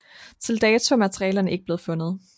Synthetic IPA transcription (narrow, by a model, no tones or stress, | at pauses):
t͡sʰe̝ld̥ɛːt͡sʰo̝mæt͡sʰəʁiɛːlɐnəe̝ɡ̥̚b̥le̝ːð̩ˠfɔ̽nəð̞̩ˠ